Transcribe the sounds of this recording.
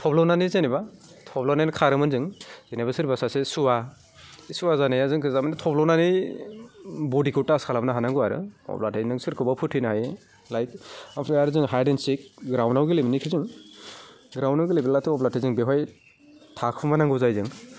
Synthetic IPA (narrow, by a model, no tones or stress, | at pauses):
tʰɔblɔwnanizaniba | tʰɔblɔwnajnkʰaɾɯmɯnzɯŋzenabasɯɾbasasesuwa | suwazanajazɯŋkʰɯzamanitʰɔblɔwnani | bɔdikʰɯwtaskʰalamnaɦanaŋɡuwaɾɯ̰ɔ̰blatʰajnɯŋsɯɾkʰɯbapʰutʰinaɦaj | lajt̚ampʰɾiaɾɯzɯŋɦajdensik̚ɡɾawnawɡɯleminikʰɯzɯŋ | ɡɾawnawɡɯlibillatʰɯɔblatajzɯŋbeɦɔj | tʰakʰumanaŋɡɯzajzɯŋ